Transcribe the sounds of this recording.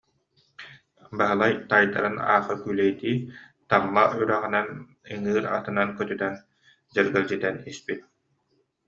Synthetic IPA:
baɦɯlˠajt̪ajd̪a̰ɾɯna̰ːχɯkylɛjt̪iː | t̪amːayɾæʁĭnɛn | ɯŋɯːɾa̰t̪ɯnankœt̪yt̪ɛn | d͡ʑɛɾɡɛlʲd͡ʑit̪ɛnispit̪̚

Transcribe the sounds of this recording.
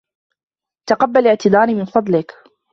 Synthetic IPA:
t̪aqɑbːalɪʕt̪ɪd̪ˤɑːɾimɪnfɑd̪ˤlɪk

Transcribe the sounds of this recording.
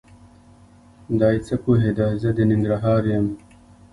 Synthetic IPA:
d̪aːjt͡sɐkuɦed̪azɐd̪eniŋɡ̪ɾɐɦaːɾjɐm

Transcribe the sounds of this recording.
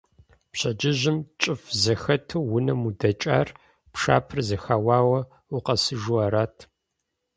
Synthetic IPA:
pɕɐd͡ʒɪʑɪmt͡ʃʼɪfzɐxɐtʰuwʊnɐmudɐt͡ʃʼa̰ːr | pʂa̰ːpʰɨrzɐxaːwaːwɐ | uqɐsɨʒuaːɾaːtʰ

